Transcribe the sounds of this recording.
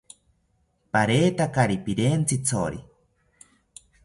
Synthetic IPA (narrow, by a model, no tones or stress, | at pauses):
paɾeːt̪akaɾipiɾent͡sʰit͡sʰoɾi